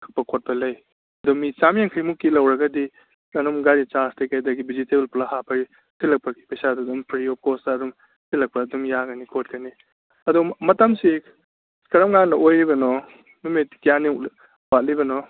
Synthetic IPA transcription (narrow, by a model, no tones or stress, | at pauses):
kʰɯ̥k̚pɐkʰot̚pɐlɐj | ɐdumit͡ʃamijaŋkʰɐjmukːilɐwɾɐɡɐdi | ɐnumɡaɾit͡ʃastekajdɐɡibiziteblpulahapʰɐɾi | sʰilɐk̚pɐki̥pɐjsadɐdumpʰɾiɔp̚kosdɐːdum | sʰilɐk̚pɐːdumjaɡɐnikʰot̚kɐni | ɐdumɐtɐmsi | kɐɾɐmŋanːɐʔojɾibɐnɔ | numitkijanik | bat̚libɐnɔ